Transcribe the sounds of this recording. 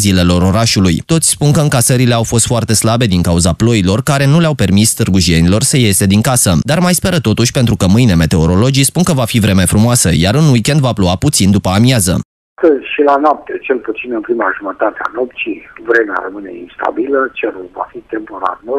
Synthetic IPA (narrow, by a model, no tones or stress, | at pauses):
zile̞lo̞ɾo̞ɾaʃulujt̪o̞t̪sʲspunkəɨŋkasəɾile̞awfo̞st̪foart̪e̞slabe̞d̪iŋkauzaplo̞ilo̞rkaɾe̞nuleawpe̞rmist̪ɨrɡuʒie̞nilo̞rsəje̞se̞d̪iŋkasəd̪armajspe̞ɾət̪o̞t̪uʃʲpe̞nt̪ɾukəmɨjne̞me̞t̪e̞o̞ɾo̞lo̞d͡ʒispunkəvafivɾe̞me̞fɾumoasəjaɾɨnwikʲe̞nd̪vaploaput̪sind̪upəamjazə̰ | ast̪əzʲʃilanoap̚t̪et͡ʃe̞lput̪sinɨnpɾimaʒumət̪at̪ea̰no̞pt͡ʃivɾe̞mea̰ɾəmɨne̞̰ḭnst̪a̰bilət͡ʃeɾuva̰fit̪empo̞ɾa̰rnu